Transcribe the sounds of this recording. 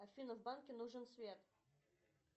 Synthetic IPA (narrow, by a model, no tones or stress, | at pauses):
ɐfʲinəvbankʲɪnuʐɨnsvʲet̪